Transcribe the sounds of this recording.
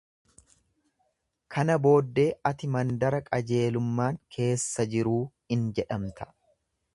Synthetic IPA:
kʰɐnɐbo̞ːd̪ːe̞ːɐt̪ɪmɐnd̪ɐɾɐkʼɐd͡ʒe̞ːlʊmːaːŋkʰe̞ːsːɐd͡ʒɪɾuː | ɪnd͡ʒɛᶑɐmt̪ɐ̥

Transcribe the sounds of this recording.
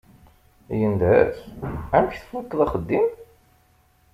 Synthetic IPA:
jənd̪æsæmçθfukːðˤæχəd̪ːim

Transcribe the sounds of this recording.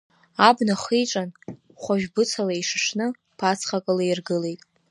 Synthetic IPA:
abnaχiʈ͡ʂʼan | χʷaʒᶣbɨt͡sʰalaiʂɨʂnɨ | pʰat͡sʰχakʼɨlairɡɨle̞jtʼ

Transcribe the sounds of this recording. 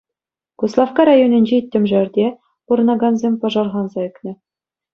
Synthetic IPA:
ɡ̥uslˠɑfkɑɾɑjonʲɘ̆nʲd͡ʑeit̪ʲːɘ̆mʲʐɘ̆rʲd̪ʲe | purɤ̆nɑɡɑnzʲemʲpɑʐɑrʁɑnzɑɘ̆knʲɘ̆

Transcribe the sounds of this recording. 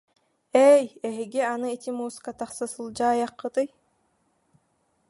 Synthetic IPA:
ɛjɛɦiɡianɯit̪ʲimuːskat̪aχsasɯlˠd͡ʑaːjaqːɯt̪ɯj

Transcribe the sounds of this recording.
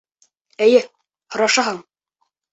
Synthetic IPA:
æ̆jɘ | hŏɾɑʃɑɦɑɴ

